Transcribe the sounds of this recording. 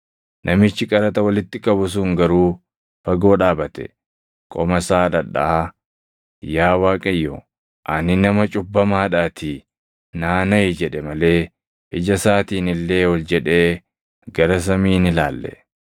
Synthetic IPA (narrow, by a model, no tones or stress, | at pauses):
nʔɐmɪt͡ʃːɪkʼɐɾɐt̪ɐwɐlɪt̪ːɪkʼɐbʊs̬uːŋɡɐɾuː | fɐɡo̞ːᶑaːbɐt̪ɛ̰ | kʼɔmɐsaːᶑɐᶑɐ̰ʔaː | jaːwaːkʼɐjːo̰ | ʔɐnɪnɐmɐt͡ʃʼʊbːɐmaːᶑaːt̪ʰɪ | naːnɐɪd͡ʒɛᶑɛmɐle̞ː | ʔɪd͡ʒɐsaːt̪iːnɪlːe̞ːhɔld͡ʒɛᶑe̞ː | ɡɐɾɐs̬ɐmiːnɪla̰ːlːɛ̰